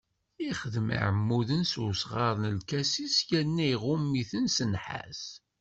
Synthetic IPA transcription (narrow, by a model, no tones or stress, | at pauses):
iχəðma̰ʕəmːuðənsusʁɑɾˤnəlkæsisjænːæjʁʊmːiθənsənħa̰s